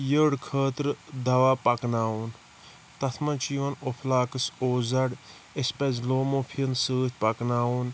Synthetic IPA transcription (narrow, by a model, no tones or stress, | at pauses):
jəɽkʰəːt̪ɾɨd̪ɐʋaːpɐknaːuːn | t̪ɐt̪ʰmɐt͡ʃiʋɐnopʰlaːkɨsoːzɐɽ | espɐzloːmoːpʰiənsəːt̪ʰʲpɐknaːwuːn